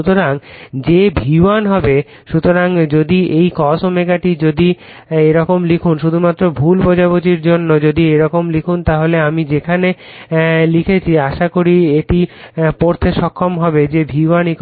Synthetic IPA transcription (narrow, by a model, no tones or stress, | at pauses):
ut̪oɾaŋd͡ʑebʱiwanɦɔbe | ʃut̪oɾaŋd͡ʑod̪iejkɔsomeɡaʈid͡ʑod̪i | eɾɔkomlikʰunʃud̪ʱumat̪ːɾobʱulpɔd͡ʑabot̪iɾd͡ʑonːod͡ʑod̪ieɾɔkomlikʰunt̪aɦoleamid͡ʑekʰane | likʰet͡ɕʰiaʃakoɾieʈipoɾt̪ʰeʃɔkʰːomɦɔbed͡ʑebʱiwanik